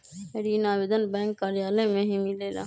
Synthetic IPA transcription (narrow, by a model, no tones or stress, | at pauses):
eɽiːnaːʋed̪ʱənbɛ̃ːŋkːaːɾɪjaːlẽmẽɦĩmɪleːla̰ː